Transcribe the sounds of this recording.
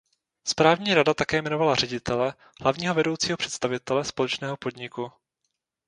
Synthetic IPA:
spɾaːvɲiːɾadat̪akɛːmɛno̞valarɛɟɪt̪ʰɛlɛ | ɦlavɲiːɦo̞vɛdo̞wt͡siːɦopr̥ɛt̪st̪avɪt̪ɛlɛspolɛt͡ʃnɛːɦopo̞dɲɪku

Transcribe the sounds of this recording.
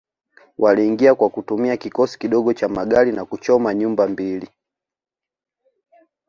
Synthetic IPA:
wʔaliːŋɡiakwakutumiakikɔsi̥kiɗɔɡɔt͡ʃamaɡalinakut͡ʃɔmaɲumbambili

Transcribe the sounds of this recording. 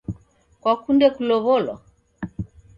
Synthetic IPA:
kwakundɛkulɔβɔlwa̰

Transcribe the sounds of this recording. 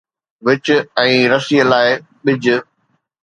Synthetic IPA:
ʋɪt͡ɕʊɛ̃ːɾɐsijəlaːɪ | ɓɪd͡ʑʱʊ

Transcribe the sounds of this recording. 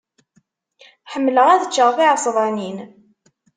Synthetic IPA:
ħəmːləʁæðət͡ʃːəʁfiʕəsˤðˤɑnin

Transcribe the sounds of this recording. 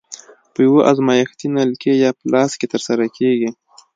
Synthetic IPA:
pəjwoʔazmɑjaxt̪inalkejɑpəlɑsket̪əɾsaɾakʰeɡi

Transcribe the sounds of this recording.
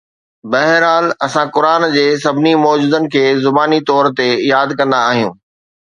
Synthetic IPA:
bɐɦɾɦaːlɐsãkʊɾaːnd͡ʑeːs̬ɐbʱɪnimɔːd͡ʑuːd̪ənɪ̆kʰeːzʊbaːnit̪ɔːɾt̪ejaːd̪kɐ̃nd̪aːɦijũː

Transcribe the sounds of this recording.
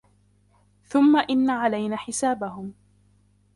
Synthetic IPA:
θʊmːaʔɪnːaʕalajnaːħɪsaːbahʊm

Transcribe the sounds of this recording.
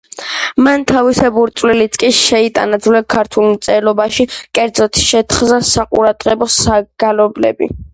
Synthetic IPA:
mant̪ʰavisɛbuɾt̪sʼwlilit̪skʼiʃɛit̪ʼa̰nad̪zulɛkʰaɾt̪ʰulˠmt̪sʼɛlɔbaʃikʼɛɾd̪zɔt̪ʰʃɛt̪ʰχzasaqʼṵɾad̪̥ʁɛbɔsaɡ̥alɔblɛ̰bḭ

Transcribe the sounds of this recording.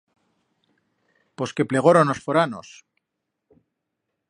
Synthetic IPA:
po̞ske̞ple̞ɣ̞oɾonosfoɾano̰s

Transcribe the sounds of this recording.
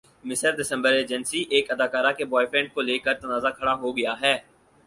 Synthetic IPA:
mɪsəɾɖɪsə̃mbəɾeːd͡ʒənsiʔeːkɐd̪aːkaːɾakebɔːɪfɾɛ̃ːɳɖ̚koleːkəɾt̪ɐnaːzakʰɐɽaɦoɡɐjaɦɛː

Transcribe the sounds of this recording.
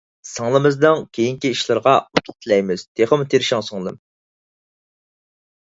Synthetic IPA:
sɨŋlˠɨmɨzd̪ɨŋkʲʰejiŋkʲiiʃlˠɨɾʁɑut̪ʰʊ̥t̪ʰɨlɛjmɪz̥t̪ʰeχəmut̪ʰeɾɪʃɪŋsɨŋlˠɨ̰m

